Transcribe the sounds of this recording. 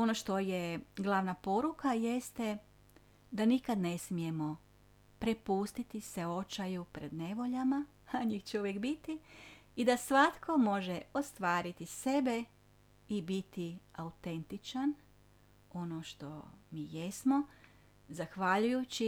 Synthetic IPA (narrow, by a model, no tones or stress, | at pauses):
o̞noʃt̪o̞jeɡlˠaʋnapo̞ɾukaje̞st̪e | d̪anikad̪ne̞smije̞mo̞ | pɾepuːst̪it̪iseo̞t͡ʃajupɾe̞d̪ne̞ʋo̞ʎama | aɲixt͡ʃeuʋjekbit̪iid̪asʋat̪kʰo̞mo̞ʒeo̞st̪ʋaːɾit̪ise̞be | ibit̪iaut̪e̞nt̪it͡ʃan | o̞no̞ʃt̪o̞̰miːje̞smo̞ | zaxʋaʎujut͡ɕi